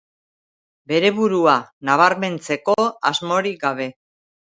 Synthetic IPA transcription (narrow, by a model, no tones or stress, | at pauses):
be̞ɾe̞βuɾuanaβ̞aɾme̞nt͡se̞ko̞azmo̞ɾik̚ɡaβ̞e̞